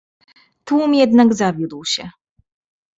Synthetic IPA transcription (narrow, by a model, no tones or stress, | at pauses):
t̪wumjɛd̪naɡzavʲjud̪wɕɛ